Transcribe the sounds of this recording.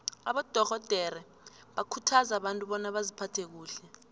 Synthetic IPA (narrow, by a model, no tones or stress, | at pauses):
a̰ɓɔd̥ʱɔxɔd̥ʱɛɾɛ | ɓakʰutʰazaɓantʼuɓɔnaɓazipʰatʰek̬uːɬɛ